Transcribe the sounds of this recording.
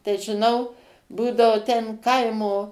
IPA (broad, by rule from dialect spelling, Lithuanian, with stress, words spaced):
tɐɪ ʒʲɪˈnɐʊ ˈbuːdɐʋoː tʲɛn ˈkɐɪmoː